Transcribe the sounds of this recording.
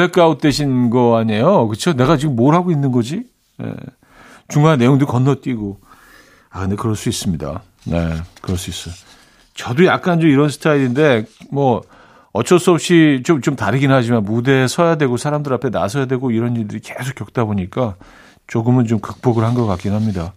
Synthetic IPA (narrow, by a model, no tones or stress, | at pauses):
ɾek͈aut̚t͈weɕʰinɡʌaɲejokɯt͡ɕʰone̞ɡat͡ɕiɡɯmːoɾɦaɡoinːɯnɡʌd͡ʑi | jḛ | t͡ɕuŋaene̞joŋdokʌnːʌt͈iɡo | akɯnde̞kɯɾʌɭs͈uis͈ɯmɲida̰ | nekɯɾʌs͈uis͈ʌ | t͡ɕʌdojak̚k͈ant͡ɕomiɾʌnsʰɯ̥tʰaiɾinde̞mwʌ | ʌt͡ɕʰʌs͈ʌp̚ɕ͈it͡ɕomt͡ɕomtaɾɯɡinɯnɦad͡ʑimanmude̞sʰʌjadwe̞ɡosʰaɾamdɯɾapʰe̞na̰sʰʌjadwe̞ɡoiɾʌniɭdɯɾike̞sʰok͈ːjʌk̚t͈aboɲik͈a | t͡ɕoɡɯmɯnt͡ɕomkɯk̚p͈ʌɡɯɭhanɡʌk͈ak͈inɯnɦamɲida